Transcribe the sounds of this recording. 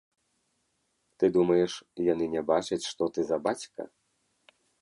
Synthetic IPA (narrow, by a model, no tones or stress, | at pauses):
t̪ɨd̪umɐjɛʂjanɨnʲɛbat͡ʂɐt͡sʲʂt̪ɔt̪ɨzɐbat͡sʲkɐ̰